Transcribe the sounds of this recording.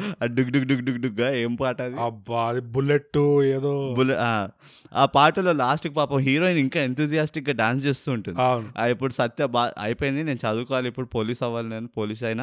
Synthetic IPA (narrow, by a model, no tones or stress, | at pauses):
aːɖuɡɖuɡɖuɡɖuɡɖuɡːaːeːmpaːʈɐːd̪iɐbːaɐd̪ibuleʈːueːd̪oːbuleaː | aːpaːʈɐlo̞ːlaːsʈukipaːpɐmɦiːɾoːiniŋkaːent̪ʰuːd͡ʒijaːsʈik̚ɡaːɖaːnst͡ʃe̞ːst̪uːɳʈund̪aiːwnuaipːuɽusɐt̪jɐbaːɐ̰jipoːjind̪ine̞ːnut͡ʃɐd̪uːkɔːʋaliipːuɽupoːliːsɐʋːaːlineːnupoːliːs̬ɐjnɐ